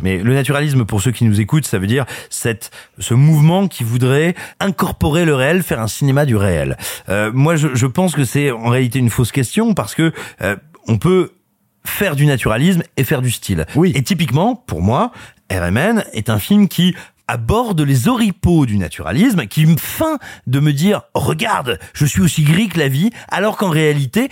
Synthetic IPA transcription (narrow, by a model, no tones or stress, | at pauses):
mɛ̰lənat̪yʁalis̬mpuʁsøkʲinuzekut̪savød̪iʁsɛt̪səmuvmɑ̃kʲʰivud̪ʁɛɛ̃kɔʁpɔʁeləʁeɛlfɛʁɛ̃sinemad̪yʁeɛ̰lømwaʒəʒəpɑ̃skəsɛɑ̃ʁealit̪eynfoskʲɛst̪jɔ̃paʁsə̥kəø | ɔ̃pø | fɛʁd̪ynat̪yʁalismefɛʁd̪yst̪ʰilwiet̪ip̬ikmɑ̃pṵʁmwa | ɛ̰ʁɛ̰mɛnɛ̰t̪ɛ̃filmkʲʰi | a̰bɔʁd̪lezɔʁipod̪yna̰t̪ʰyʁa̰lismkʲifɛ̃d̪əməd̪iʁʁəɡa̰ʁd̪ʒ̥əsɥiosiɡʁiklavia̰lɔʁkɑ̃ʁealit̪e